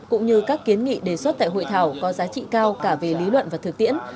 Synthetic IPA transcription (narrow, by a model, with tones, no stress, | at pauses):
kʊ̰˧˥ŋ͡mɲɨ˧kaː˦˥kːi˨˦ənŋḭ˧˨ɗe˨˩swə˦˥t̚t̪a̰ː˧˨jɦo̰˧˨jt̪ʰaː˧˩wkɔ˨˦zaː˨˦t͡ɕḭ˧˨kaː˧wkaː˧˩ve˨˩li˨˦lwə̰˧˨nvaː˨˩t̪ʰɨ˨˩k̚t̪ḭ˧˨ən